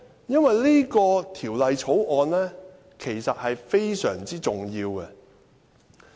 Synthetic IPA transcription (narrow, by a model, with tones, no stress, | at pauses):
jɐ˥nwɐ˨jliː˥kɔː˧t̪ʰiː˨˩wlɐ˨jt͡ʃʰo˨˥wʔɔː˧nlɛː˥ | kʰe˨˩jsɐ˨t̚hɐ˨jfe˥jsœ̰ː˨˩ŋt͡siː˥t͡sʊ˨ŋjiː˧wɡɛ˧